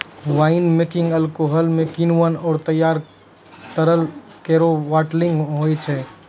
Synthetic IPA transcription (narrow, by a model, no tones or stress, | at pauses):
ʋaɪnmekĩŋɡəlkoɦəlmekinuʋənɔːɾt̪əjaɾ | k̪əɾəlkeɾoʋaʈliŋɡɦojt͡ʃʰɛ